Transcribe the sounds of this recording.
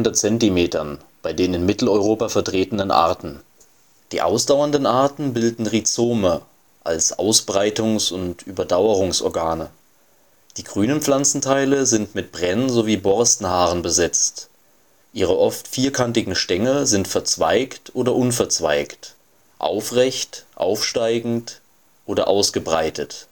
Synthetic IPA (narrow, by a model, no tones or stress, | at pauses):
ndɐtt͡sɛntimeːtɐn | b̥aɪdeːnɪnmɪtl̩ɔʏʁoːpafɛɐtʁ̥eːtən̩ənʔa̰ɐtn̩ | d̥iːʔa̰ʊsd̥aʊɐndənʔaɐtn̩bɪldn̩ʁit͡soːmə | ʔa̰lsʔa̰ʊsb̥ʁaɪtʊŋsʊntʔyːbɐdaʊəʁʊŋsɔ̰ɐɡaːnə | d̥iːɡ̥ʁyːnənflant͡sn̩tʰaɪləzɪntmɪt̚b̥ʁɛnnzoviːbɔɐstn̩haːʁənbəzɛt͡st | ʔiːʁəʔɔftfiːɐkʰantɪɡŋ̩ʃtɛŋəzɪntfɛɐt͡sv̥a̰ɪktʔoːdɐʔʊnfɛɐt͡sv̥a̰ɪkt | ʔa̰ʊfʁɛçtʔa̰ʊfʃtaɪɡŋ̩t | ʔoːdɐ̰ʔaʊsɡ̥əbʁa̰ɪtʰət